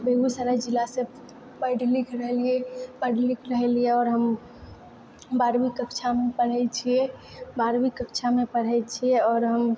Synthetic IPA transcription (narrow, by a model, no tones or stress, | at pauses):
beɡusəɾad͡ʒilːasẽ | pəɪɖlikɾəɦeliepəɖʱlikɾəɦɛlieɔːɾɦəm | baɾbikəkt͡ʃʰamepəɽ̤ɛt͡ʃʰie | baɾbikəkt͡ʃʰamepəɽ̤ɛt͡ʃʰieɔːɾɦəm